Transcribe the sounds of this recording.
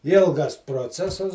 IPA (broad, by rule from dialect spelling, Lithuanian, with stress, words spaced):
ˈɪlˠɡɐs proːˈt͡sʲæːsɐs